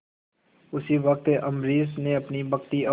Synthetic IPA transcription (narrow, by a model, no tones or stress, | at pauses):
ʊsiʋɐk̚t̪ʔɐmɾiːsnẽɐpnibɐkt̪iɐ